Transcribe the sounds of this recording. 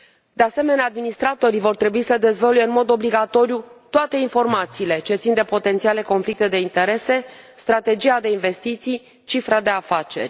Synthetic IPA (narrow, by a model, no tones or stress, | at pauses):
d̪e̞ase̞me̞nead̪minist̪ɾat̪o̞ɾivo̞rt̪ɾe̞buisəd̪e̞zvolujeɨnmo̞d̪o̞bliɡat̪o̞ɾijut̪oat̪e̞info̞rmat̪siːle̞t͡ʃet̪sind̪e̞po̞t̪ent̪siale̞ko̞nflik̚t̪e̞d̪e̞int̪e̞ɾe̞se̞st̪ɾat̪e̞d͡ʒijad̪e̞inve̞st̪it̪sij | t͡ʃifɾad̪e̞afat͡ʃe̞̰rʲ